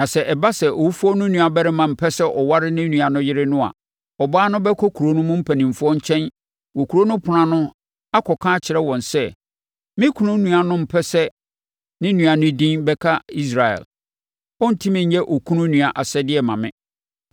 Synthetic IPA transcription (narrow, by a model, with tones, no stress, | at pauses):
nã˨sɛ˨ʔɛ˨ba˦sɛ˨ʔɔ˨wu˦fu˦ɔ˦nʊ̃˦nũ˨a˨bɛ˦ɾɪ˦mã˨m̩˨pʰɛ˦sɛ˦ʔɔ˨wa˦ɾɪ˦nɪ̃˦nũ˨a˨nʊ̃˦jɪ˦ɾɪ˦nʊ̃˦a̰˨ | ɔ˨baː˦nʊ̃˦bɛ˦kʰɔ˦kʰu˨ɾo˦nʊ̃˦mʊ̃˦m̩˦pʰæ˨nĩ˨m̩˨fʊ˦ɔ˦ɲ˦t͡ɕʰɛ̃˦n | wɔ˨kʰu˨ɾo˦nʊ̃˦pʰʊ˨nã˨nʊ̃˦ | a˦kʰɔ˨kʰãː˦t͡ɕʰɪ˨ɾɛ˦wɔ̃˨nsɛ˦˨ | mɪ̃˦kʰu˨nʊ̃˦nũ˨a˨nʊ̃˦m̩˨pʰɛ˦sɛ˦ | nɪ̃˦nũ˨a˨nʊ̃˦dĩ˦nbɛ˦kʰa˦i˦s̬ɾa˨ɛ̰˨l | ɔ˦n̩˨tʰi˦mɪ̃˨ɲ̩˦ɲɛ˦ʔɔ˨kʰu˦nʊ̃˦nũ˨a˨ʔa˨sɛ˦dɪ˦ɛ˨mã˨mɪ̰̃˦